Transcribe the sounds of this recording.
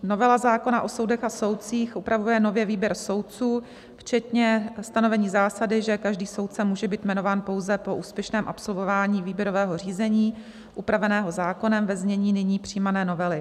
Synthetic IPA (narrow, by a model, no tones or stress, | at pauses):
no̞vɛlazaːko̞naʔo̞so̞wdɛxaso̞wt̪t͡siːxʔupɾavujɛno̞vjɛviːbjɛɾso̞wt̪̚t͡suː | ft͡ʃɛt̪ɲɛst̪ano̞vɛɲiːzaːsadɪʒɛkaʒdiːsowt̪̚t͡sɛmuːʒɛbiːt̪mɛno̞vaːnpo̞wzɛpo̞ʔuːspjɛʃnɛːmʔa̰pso̞lvo̞vaːɲiːviːbjɛɾo̞vɛːɦo̞r̝iːzɛɲiː | ʔupɾavɛnɛːɦo̞zaːko̞nɛmvɛzmɲɛɲiːnɪɲiːpr̥iːmanɛːno̞vɛlɪ